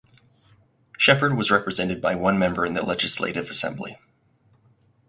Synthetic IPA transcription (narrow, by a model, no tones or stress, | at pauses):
ʃɛfə˞d̚wʌzɹɛpɹɨzɛ̃ntɨd̚baɪwʌ̃nmɛ̃mbə˞ɨ̃nðɨlɛd͡ʒɨslḛɪɾɨvɨsɛ̰̃mblḭ